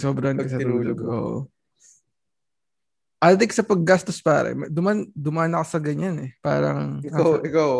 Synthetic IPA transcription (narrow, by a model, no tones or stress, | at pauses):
soːbɾɐnkɐsɐuːloɡʔo̰ːʔo̰ | ʔalt̪ɪksɐpɐɡːast̪ospa̰ːɾɐ̰mɐd̪ʊmand̪ʊmaːnɐkɐsɐɡɐɲanɛpa̰ːɾɐ̰ŋɪawʔɪkaw